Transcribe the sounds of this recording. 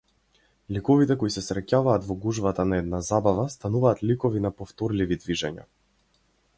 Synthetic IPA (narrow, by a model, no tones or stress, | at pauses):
likɔvit̪ɛkɔisɛsɾɛcavaːt̪vɔɡuʒvat̪anaɛd̪̚nazabavast̪anuvaːt̪likɔvinapɔft̪ɔɾlivid̪viʒɛɲa̰